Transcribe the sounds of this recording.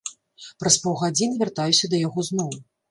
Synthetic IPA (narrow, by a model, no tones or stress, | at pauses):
pɾɐspɔwɣad͡zʲinɨvʲart̪ajusʲɐd̪ɐjaɣɔznɔw